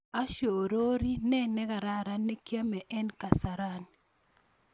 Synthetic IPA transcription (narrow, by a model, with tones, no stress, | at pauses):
a˦ʃo˨ɾo˦ɾi˦nɛ˦nɛ˦ɡa˨ɾa˦˨ɾa˦nːe˦kja˦mɛ˨ʔɛ˦nka˨sa˨ɾa˦n